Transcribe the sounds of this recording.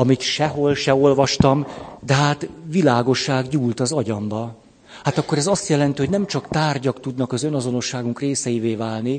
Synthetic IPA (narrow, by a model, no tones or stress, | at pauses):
ɒmit̪ʃɛɦolʃɛo̞lvɒʃt̪ɒmd̪ɛɦaːt̪ʋilaːɡo̞ʃːaːɡɟuːlt̪ɒzɒɟɒmbɒ | hat̪ɒkːo̞ɾɛzɒst̪jɛlɛnt̪iɦonɛmt͡ʃɒkt̪aːrɟɒkt̪ud̪nɒkɒzø̞nɒzo̞no̞ʃːaːɡuŋkreːsɛjiveːvaːlni